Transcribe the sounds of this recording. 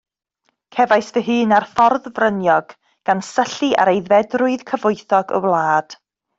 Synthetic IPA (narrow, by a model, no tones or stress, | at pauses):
kʰɛvajsvəɦɨːnarfɔrðvrənjɔɡ̥ | ɡ̥ansəɬɨʔa̰ɾejðvɛdrʊɨð̥kʰəvʊɨθɔɡə̰wlˠaːd̥